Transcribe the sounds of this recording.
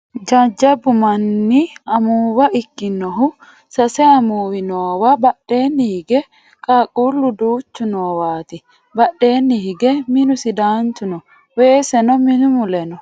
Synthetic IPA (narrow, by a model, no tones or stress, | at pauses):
d͡ʒɐd͡ʒːɐbʊmɐnːɪɐmuːwɐʔɪkːɪnɔɦʊ | sɐsɛɐmuːwɪnoːwabɐɗːe̞ːnːɪhɪɡɛ | kʼaːkʼuːlːʊd̪uːt͡ʃːʊnoːwaːt̪ɪ | bɐɗːe̞ːnːɪhɪɡɛmɪnʊsɪd̪aːnt̪ʊnɔ | weːsɛnɔmɪnʊmʊlɛnɔ